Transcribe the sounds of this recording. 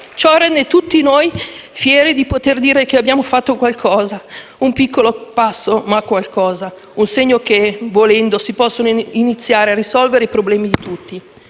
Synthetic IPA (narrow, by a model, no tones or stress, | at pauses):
t͡ʃɔrɛnd̪et̪ut̪ːinojfjɛːɾid̪ipot̪erd̪iːɾekeabːjaːmofat̪ːokwalkʰɔːzaumpikːolopasːomakːwalkɔːza | unseɲːokevolɛnd̪osipɔsːonoinit̪sːjaːɾearːisɔlveɾeipɾoblɛːmid̪it̪ut̪ːi